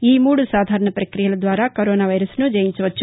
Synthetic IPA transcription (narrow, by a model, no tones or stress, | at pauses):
iːmuːɽusaːd̪ʱaːɾɐɳɐpɾɐkɾijɐlɐd̪ʋaːɾaːkoɾoːnaːʋɐjɾɐsnud͡ʒɐjiɲt͡ʃɐʋɐt͡ʃːu